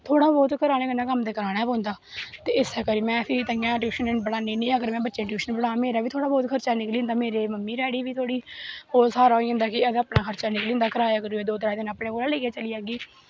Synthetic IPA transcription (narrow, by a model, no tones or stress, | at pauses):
t̪ʰoːɽaːbɔːt̪kəɾaːñeːkənãːkəmd̪eːkəɾaːɽaːpõːnd̪aːt̪eːɪsɛːkəɾiːmɛ̃ːsit̪əŋãːʈjuːʃənɛ̃ʈbəɽaːniːnĩːəɡəɾmɛ̃ːbətːʃeːʈjuːʃənbəɽaːmeːɾaːʋiːt̪ʰoːɽaːbɔːt̪kʰəɾt͡ʃaːnɪkliːnd̪aːmeːɾeːməmːiːɾɛːɽiːʋiːt̪ʰoːɽiːoːsaːɾaːɦoiːɦə̃nd̪aːkɪəd̪aːpɳaːkʰəɾt͡ʃaːnɪkliːnd̪aːkəɾaːjaːkəɾuːeːd̪oːt̪ɾaːd̪ɪnaːpɳeːɡoːɾãːleːkeːt͡ʃəliːaːɡiː